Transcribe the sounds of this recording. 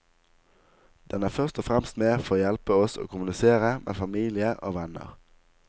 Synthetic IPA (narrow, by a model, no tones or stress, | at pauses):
d̪̥ɛnæːʁfœʁst̪ɔfʁɛmst̪meːfɔʁoːjælpəɔso̰ːkʰʊmʉnɪseːʁəmʔḛːfɑmiːlɪəʔo̰ːʋɛnə̰ʁ